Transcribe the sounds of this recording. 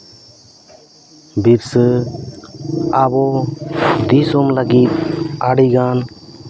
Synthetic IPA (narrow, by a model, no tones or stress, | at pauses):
biɾsə | abɔ | d̪isomləɡit̪̚aɽiɡaːn